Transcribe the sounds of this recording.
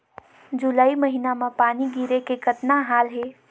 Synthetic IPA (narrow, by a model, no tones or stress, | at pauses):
d͡ʒulaːiməɦinamepaːniɡiɾekekət̪naɦaːlɦe